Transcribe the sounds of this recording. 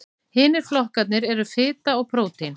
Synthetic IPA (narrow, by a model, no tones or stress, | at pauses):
hɪːnɪɾ̥flɔhkat̪nɪɾɛɾʏfɪːt̪aɔɣpʰɾoːwt̪in